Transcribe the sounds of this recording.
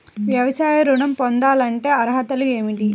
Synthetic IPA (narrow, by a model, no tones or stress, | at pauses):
ʋjɐʋɐsaːjɐɾuɳɐmpond̪aːlɐɳʈe̞ːɐɾɐɦɐt̪ɐlueːmiʈi